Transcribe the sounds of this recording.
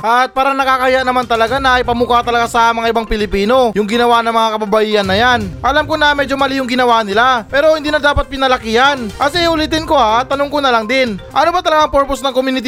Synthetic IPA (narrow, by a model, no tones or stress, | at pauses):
ʔɐt̪̚paːɾɐŋnɐkaːkɐhɪjaʔnɐmant̪ɐlɐɡanɐɐjpɐmukat̪ɐlɐɡasɐmɐŋaʔɪbaŋpɪlɪpiːno̞jʊŋɡɪnɐwanɐŋmɐŋakɐbɐbɐjiːhɐnːɐjanʔɐlamkonɐmɛːd͡ʒo̞mɐlijʊŋɡɪnɐwanɪlapɛːɾo̞hɪnd̪iːnɐd̪aːpɐt̪̚pɪnɐlɐkihɐnʔɐsɛhʊlit̪ɪnko̞at̪ːɐnoŋkonɐlaŋd̪ɪnʔɐnobɐt̪ɐlɐɡaŋpoɾposnɐŋkomunɪt̪